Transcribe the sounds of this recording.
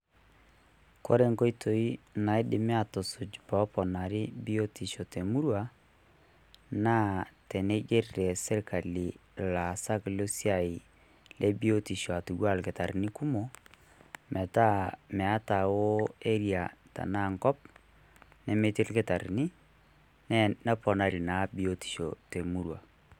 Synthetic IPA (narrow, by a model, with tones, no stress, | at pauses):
kɔ̰˦ɾe˦ŋko˦i˦tʰo˨i˦na˨i˦dɪ˨mɪ˦a˨to˨sʊ˨d͡ʒpɔ˨˦pɔ˨na˨ɾɪ˦bi˦o˦ti˨ʃo˨te˨mu˦ɾwa˨ | na˦tɛ˨nɛ˦d͡ʒe˦ɾɾɛ˨sɛ˦ɾka˨li˨la˨sa˦klo˦si˦a˨i˨ | lʔɛ˦bi˦o˦ti˨ʃo˨a˨tu˨ɡwa˦˨lke˨ta˨ɾni˦ku˦mo˨ | mʔɛ˨ta˦mɛ˨a˦ta˨wo˦e˦ɾja˨ta̰˨na˦˨ŋkɔ˦p̚ | nɛ˦me˦ti˦lke˦ta˨ɾi˨ni˦ | nɛ˦na˦pɔ˨na˨ɾi˨na˨˦bi˦o˨ti̥˨ʃo˨te˨mu˦ɾwa˨